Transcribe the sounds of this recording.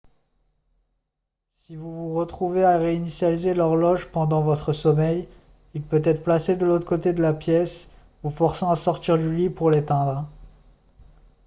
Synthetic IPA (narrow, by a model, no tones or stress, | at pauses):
sivuvuʁət̪χuveaʁeinisjalizelɔʁlɔʒpɑ̃d̪ɑ̃vɔt̪χəsɔmɛj | ilpøt̪ɛt̪χəplased̪əlot̪χə̥kot̪ed̪əlapjɛs | vufɔʁsɑ̃asɔʁt̪iʁd̪ylipuʁlet̪ɛ̃d̪ʁ